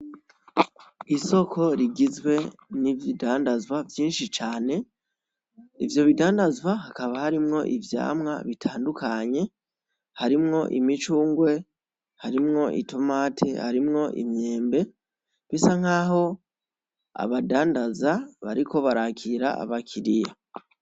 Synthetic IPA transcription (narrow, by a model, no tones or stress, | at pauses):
iso̞kʰo̞ɾiɡizɡwe̞nivjidaːndazwavjiːnʃit͡ʃaːne̞ | ivjo̞βidaːndazɡwaɦakaβahaɾimŋo̞ʔivja̰ːmŋa̰βitʰaːndukaɲe̞ | haɾimŋo̞ʔḭmit͡ʃuːŋɡwe̞ | haɾimŋo̞ʔḭtʰo̞maːtʰḛha̰ɾimŋo̞ʔḭmɲe̞ːmbe̞ | βisaŋ̥aːɦo̞ | a̰βadaːndazaβaɾiko̞βaɾakʰiɾa̰a̰βakʰiɾija